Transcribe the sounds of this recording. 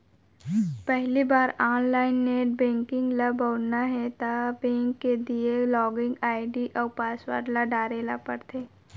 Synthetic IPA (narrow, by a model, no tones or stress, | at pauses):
pɛɦlibaːɾɔːnlaːɪnːeːʈ̚bɛ̃ːŋkɪ̃ŋɡlaboːɽnaɦɛt̪abẽːŋkːed̪ielɔːɡɪ̃ŋɡaːɪɖiʔɔːɾpaːswa̰ːɾlaɖaːɾelapəɾt̪ʰeː